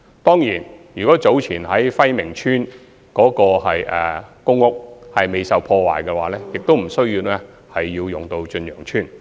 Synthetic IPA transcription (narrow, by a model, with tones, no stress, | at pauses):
t̪ɔː˥ŋjiː˨˩njyː˨˩kɔː˨˥t͡so˨˥wt͡sʰiː˨˩nɦɐ˨˥jfɐ˥jmɪ˨˩ŋt͡ʃʰyː˥n | kɔː˨˥kɔː˧ɦɐ˨jɛ̰ː˨kʊ˥ŋːʊ˥k̚hɐ˨jme˨˧jsɐ˨wpʰɔː˧wa̰ː˨˩jkɛː˧waː˨˥lɛː˥jɪ˨k̚t̪o˥wm̩˨˩sɵ˥ɥjiː˧wlɛː˥ | hɐ˨jːiː˧wjʊ˨ŋt̪o˧wt͡ʃɵ˧njœ̰ː˨˩ŋt͡ʃʰyː˥n